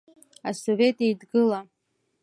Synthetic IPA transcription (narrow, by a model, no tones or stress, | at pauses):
asove̞tʼejdɡɨla